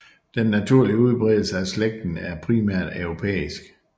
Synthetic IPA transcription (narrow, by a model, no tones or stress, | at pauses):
d̥enːæt͡sʰuɐ̰liəuð̞ˠb̥ʁɛðˠl̩səæsleɡ̥̚d̥n̩æɐpʰʁimæɐ̰d̥œʊʁo̝pʰḛːisɡ̥